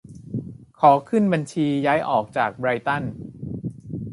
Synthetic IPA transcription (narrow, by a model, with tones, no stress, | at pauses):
kʰɔː˩˦kʰɯ˥˩nba˧nt͡ɕʰiː˧jaː˦˥jʔɔː˨˩k̚t͡ɕaː˨˩k̚bɾaː˧jt̪a˥˩n